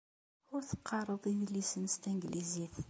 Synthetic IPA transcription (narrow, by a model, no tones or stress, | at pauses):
ʊɾθə̥qʰːɑrˤəðˤiðlːisənst̪æŋɡlʔiziθ